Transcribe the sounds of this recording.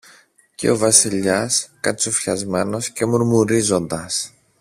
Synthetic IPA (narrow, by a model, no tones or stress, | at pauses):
ce̞̰o̞vɐsiʎɐskɐt͡sufçɐzme̞no̞sce̞muɾmuɾizo̞nd̪ɐs